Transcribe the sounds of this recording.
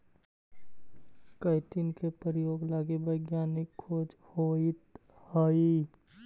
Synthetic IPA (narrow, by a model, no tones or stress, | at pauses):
kəɪʈ̪inkepəɾijoːɡlaːɡebəɪɡjaːnɪkʰːoːd͡ʒhoit̪ | hoi